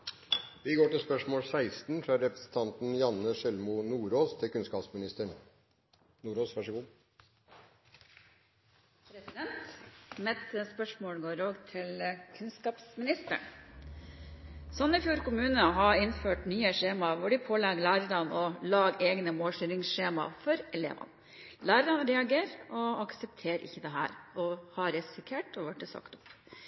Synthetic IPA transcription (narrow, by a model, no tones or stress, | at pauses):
ʋɪɡoːʈɪlspœʂmoːlsæɪst̪n̩fɾɑɾɛpɾəsn̩t̪ʰɑnt̪n̩jɑnəʂɛlmʊnuːɾoːst̪ʰɪlkʉnskɑːpsmɪnɪst̪əɳ | nuːɾoːsʋæʂɔɡuː | pʰɾɛsɪd̪ɛnt̪mɛt̪əspœʂmoːɽɡoːɾoːɡt̪ʰɪlkʰʉnskɑːpsmɪnɪst̪ə̰ɳ | sɔnɪfjuːɾkʊmʉːnəɦɑɪnføːʈnyːəʂeːmɑʋʊɖɪpʰoːlɛɡlæːɾəɾɑnɔlɑːɡeːɡnəmoːlʃyɾɪŋsʂeːmɑ̰fɔɾɛlḛːʋɑ̰n | læːɾəɾɑnɾɛɑɡeːɾɔɑksɛpt̪ʰeːɾʔɪ̰çːəd̪ɛɦæ̰ːɾɔhɑɾɛsɪkʰeːʈɔʋæʈːəsɑ̰kt̪ʊp